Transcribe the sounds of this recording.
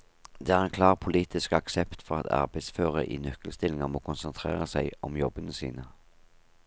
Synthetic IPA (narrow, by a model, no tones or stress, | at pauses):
d̪̥ɛːæːʁɛnkʰlɑːʁpʰʊliːt̪ɪskɑksɛpt̪fɔʁɑt̪ʰɑ̰ʁbæɪsføːʁəʔḭːnœkːəlst̪ɪlɪŋəmoːkʰʊnsənt̪ʰʁḛːʁəsæɪɔmjɔbənəsḭːnə